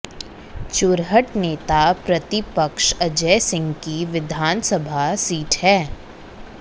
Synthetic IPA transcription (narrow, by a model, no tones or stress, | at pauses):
t͡ʃʊɾɦəʈneːt̪apɾɐt̪ɪpəkʃɐd͡ʒɛːsɪ̃ŋɡkiʋɪd̪ʱaːnsəbʱasiːʈhɛː